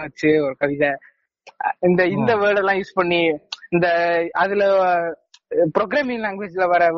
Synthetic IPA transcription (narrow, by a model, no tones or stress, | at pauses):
ʋɐt͡ʃːɯɔɾɯkɐʋɪðɐ | ɪnd̪ɐɪnd̪ɐʋɐːɖɛlãːjuːspɐɳːiɪnd̪ɐɐðɪlɐ | pɪɾoɡɾaːmɪ̃ŋlɛŋɡʋeːd͡ʒɪlɐʋɐɾɐ